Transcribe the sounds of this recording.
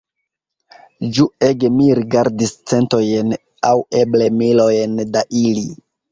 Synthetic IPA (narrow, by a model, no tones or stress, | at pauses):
d͡ʒue̞ɡemiɾiɡaɾdist͡se̞nto̞jn | awe̞ble̞milojndaʔili